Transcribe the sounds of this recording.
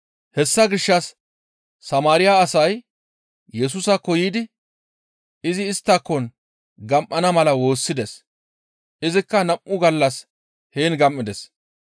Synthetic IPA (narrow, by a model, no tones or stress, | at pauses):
hɛsːɐɡɪʃːɐsː | ɐmaːɾɪjaːsɐj | jɛs̬ʊsɐkːɔjiːd̪ɪ | ɪzɪːst̪ːɐkːɔn | ɡɐmʔɐnɐmɐlɐwo̞ːsːɪd̪ɛs | ʔɪzɪkːɐnɐmʔʊɡɐlːɐs | heːnɡɐmʔːɪd̪ɛs